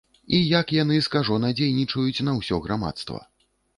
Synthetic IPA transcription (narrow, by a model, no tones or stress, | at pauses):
ijakjan̪ɨskaʐɔnɐd͡zʲejnʲit͡ʂɐjut͡sʲnɐwsʲɔɣɾama̰t̪st̪vɐ̰